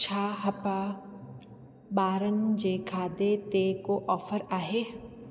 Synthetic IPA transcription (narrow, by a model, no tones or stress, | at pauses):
t͡ʃʰaːɦɐpa | baːɾənd͡ʒekʰaːd̪et̪ekoʔɔːfəɾaːɦeː